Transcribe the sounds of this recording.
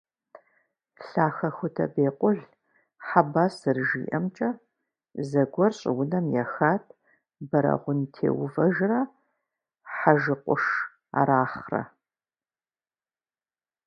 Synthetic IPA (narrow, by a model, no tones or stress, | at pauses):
ɬaːxɐxʷʊtʰɐ̰beːqʷʼʊɮ | ħabaːsɨrʒiːʔɐmt͡ʃʼɐ | zɐɡʷɔrɕʼɪ̰wʊnɐmjɛxaːtʰʼ | bɐɾɐ̰ʁʷʊntʰḛːwʊvɐʒrɐ | ħaʒɨqʷʊʂ | a̰ɾaːχrɐ̰